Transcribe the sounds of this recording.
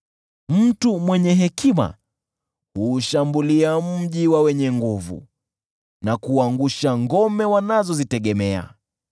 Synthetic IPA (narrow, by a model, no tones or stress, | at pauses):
m̩tumwɛɲɛɦɛkima̰ | huːʃambuliam̩ʄiwawɛɲɛŋɡuvṵ | nakuaŋɡuʃaŋɡɔmɛwanazɔzitɛɠɛmɛa̰